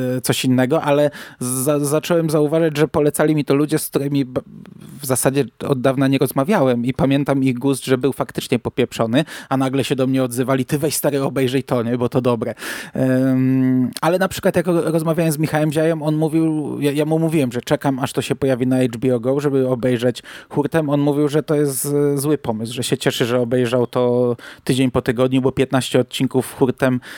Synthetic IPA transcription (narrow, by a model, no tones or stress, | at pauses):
t̪sɔɕinːɛɡɔʔalɛazat͡ʂɔwɛmzauvaʐad͡ʑʐɛpɔlɛt̪salʲimʲit̪ɔlud͡ʑɛsk̚t̪uɾɛmʲibvzasad͡ʑɛɔ̰d̪̚dːavnaɲɛɾɔzmavʲjawɛmipamʲjɛnt̪amiɣɡust̪ʐɛbɘwfakt̪ɘ̥t͡ʂɲɛpɔpʲjɛpʂɔnɘanaɡlɛɕɛd̪ɔmɲɛɔd̪zɘvalʲit̪ɘvɛɕst̪aɾɘɔbɛjʐɛjt̪ɔɲɛbɔt̪ɔd̪ɔbɾɛ | alɛnapʂɘ̥kwat̪jakɾɔzmavʲjajɛnzmʲixawɛmʑajɛmɔnmuvʲiwjajamumuvʲiwɛmʐɛt͡ʂɛkamaʂt̪ɔɕɛpɔjavʲinaɛjd͡ʐbʲiɔɡɔwʐɛbɘɔbɛjʐɛt͡ɕxuɾt̪ɛmɔnmuvʲiwʐɛt̪ɔjɛst̪zwɘpɔmɘswʐɛɕɛt͡ɕɛʂɘʐɛɔbɛjʐawt̪ɔt̪ɘd͡ʑeɲpɔt̪ɘɡɔd̪ɲubɔpʲjɛt̪naɕt͡ɕɛɔt̪̚t͡ɕiŋkufxuɾt̪ɛm